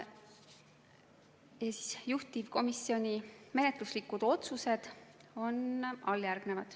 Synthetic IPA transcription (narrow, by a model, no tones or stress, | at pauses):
jɑsi̥sjuht̪ivko̞misːio̞nʲime̞net̪luslikːud̪̥o̞t̪suse̞d̪̥o̞nɑljærɡ̥ne̞vɑd̪̥